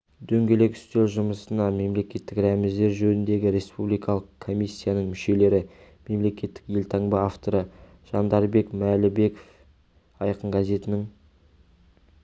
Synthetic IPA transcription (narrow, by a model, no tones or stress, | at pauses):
d̪ɵŋɡʲe̞le̞kʏ̥st̪e̞lʒʊməsənɑme̞mle̞kʲe̞t̪ːɪkɾæmɪzd̪e̞ɾʒɵnɪnd̪e̞ɡʲɪɾe̞spublijkɑlˠəqkʰːo̞mʲijsʲːijanəɴmʏʃe̞le̞ɾɪ | me̞mle̞kʲe̞t̪ːɪ̥kje̞lt̪ʰɑɴbɑaft̪o̞ɾə | ʒ̥ɑnd̪ɑɾbe̞kmælɪbe̞ko̥f | ɑjqəɴɡaze̞t̪ɪnɪŋ